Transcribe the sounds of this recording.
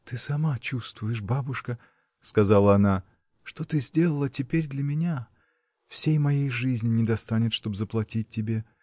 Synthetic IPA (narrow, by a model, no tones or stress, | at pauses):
t̪ɨsɐmat͡ɕust̪vʊjɪʂbabʊʂkə | skɐzalˠəɐna | ʂt̪o̞t̪ɨzʲdʲe̞lˠəlˠətʲɪpʲeɾʲd̪lʲɐmʲɪnʲa | fsʲejmɐjejʐɨzʲnʲɪnʲɪd̪ɐst̪anʲɪt̪ʂt̪o̞bzəplˠɐtʲit̚ʲtʲːɪbʲe̞